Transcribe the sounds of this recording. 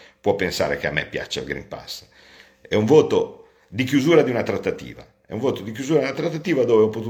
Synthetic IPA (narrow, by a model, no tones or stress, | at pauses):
pwɔpːensa̰ːɾekea̰mɛ̰pːja̰t͡ʃːa̰lɡɾḭmpa̰s | ɛuɱvoːt̪o | d̪ikjuzuːɾad̪iunat̪ɾat̪ːat̪ḭːva̰ | ɛ̰uɱvoːt̪od̪ik̬juzuːɾad̪unat̪ɾat̪ːat̪iːvad̪oːveɔpːot̪u